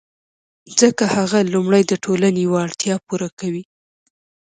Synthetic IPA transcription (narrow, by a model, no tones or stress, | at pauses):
zəkahaɣalumɽəjd̪əʈʰolanejwːɽt̪jɑpuɾakawi